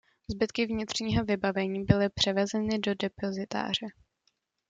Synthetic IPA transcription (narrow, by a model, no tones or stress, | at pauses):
zbɪt̪kɪvɲɪt̪r̝̥ɲiːɦo̞vɪbavɛɲiːbɪlɪpr̝̥ɛvɛzɛnɪdo̞dɛpo̞zɪt̪a̰ːr̝ɛ